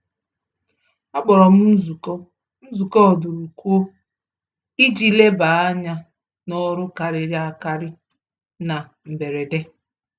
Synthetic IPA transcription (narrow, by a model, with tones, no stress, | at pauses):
a˦k͡pɔ˨ɾɔ˨m̩˦z | n̩˦zu˨kɔ˦ɔ˨du˨ɾu˨ku˦o˦ | i˦d͡ʒi˦le˦ba˨a˦ɲa˦ | nɔ˦ɾʊ˦ka˨ɾɪ˨ɾi˦a˦ka˦ɾɪ˦ | na˨ | m̩˨be˨ɾe˨de˦